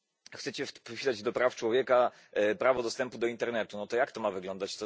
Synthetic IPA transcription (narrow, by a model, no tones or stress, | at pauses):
xsɛt͡ɕɛpɔɕilad͡ʑd̪ɔpɾaft͡ʂwɔvʲjɛka | pɾavɔd̪ɔst̪ɛmpud̪ɔint̪ɛɾnɛt̪unɔt̪ɔjakt̪ɔmavɘɡlɔnd̪at͡ɕt̪ɔ